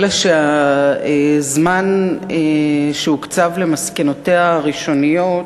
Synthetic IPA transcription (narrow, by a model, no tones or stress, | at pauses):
laʃeaezmaneʃeukt͡savle̞maskeno̞teaʁiʃo̞nijo̞